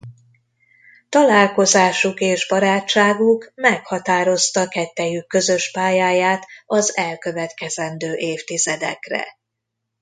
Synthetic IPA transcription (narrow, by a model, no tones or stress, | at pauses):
t̪ɒlaːlko̞zaːʃukeːʒbɒɾaːt͡ʃːaːɡukmɛkhɒt̪aːɾo̞st̪ɒkɛt̪ːɛjykːø̞zø̞ʃpaːjaːjaːt̪ɒzɛlkøvɛt̪kɛzɛnd̪øːʔeːft̪izɛd̪ɛ̰krɛ̰